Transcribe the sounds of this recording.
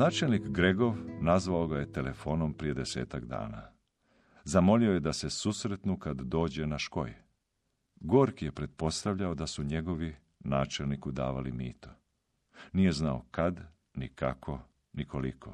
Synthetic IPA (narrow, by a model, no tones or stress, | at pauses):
naːt͡ʃe̞lnikɡɾe̞ɡo̞ʋnazʋaoɡaje̞t̪e̞le̞fo̞ːno̞mpɾijed̪ese̞ːt̪akd̪a̰ːna̰ | zamo̞lioje̞d̪ase̞susɾe̞t̪nukad̪ːo̞ːd͡ʑe̞naʃko̞̰je | ɡoːɾkije̞pɾe̞t̪̚po̞st̪aʋʎao̞d̪asuɲe̞ɡo̞ʋi | naːt͡ʃelnikud̪a̰ːʋa̰lḭmḭːt̪o̥ | nije̞znao̰kad̪ | nika̰kʰo̞ | nikolikʰo̰